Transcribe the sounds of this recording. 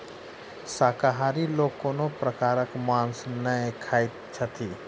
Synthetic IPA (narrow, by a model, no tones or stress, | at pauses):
saːkaɦaːɾiloːkoːnopɾəkaːɾəkmãːnsnəẽkʰaːit̪t͡ʃʰət̪ʰiː